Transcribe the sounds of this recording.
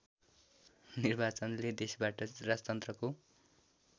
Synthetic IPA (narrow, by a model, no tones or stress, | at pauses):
nirbat͡sʌnled̪esbaʈʌrad͡zʌt̪ʌnt̪rʌko